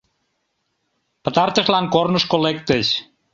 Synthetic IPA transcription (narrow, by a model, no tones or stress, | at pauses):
pə̆t̪ɑrt̪ə̆ʃlɑnkornə̆ʃkolekt̪əɕ